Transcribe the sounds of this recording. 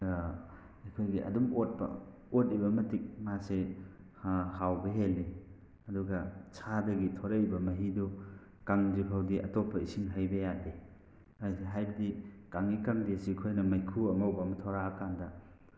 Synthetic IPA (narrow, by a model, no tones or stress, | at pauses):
ikʰojɡiʔɐ̰dumot̚bɐ̰ | ot̚ibɐmɐtik̚mase | hawbɐɦelːi | ɐduɡɐt͡ʃʰadɐɡitʰɔɾejbɐmɐɦidu | kaŋzipʰawdiʔɐ̰topʰːɐisiŋɦajbɐjadi | ajseɦajbɐdikaŋikaŋdesikʰojnɐmajkʰuɐmawbɐmɐtʰoɾakʰandɐ